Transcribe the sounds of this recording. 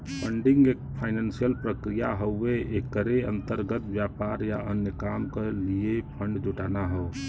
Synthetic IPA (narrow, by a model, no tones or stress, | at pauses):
pʰəɳɖiŋɡek̚pʰaɪnansijəlpɾəkɾijaɦəweekəɾeənt̪əɾɡət̪bjapaɾjaənjəkamkeliepʰəɳɖd͡ʒuʈaːnaɦəː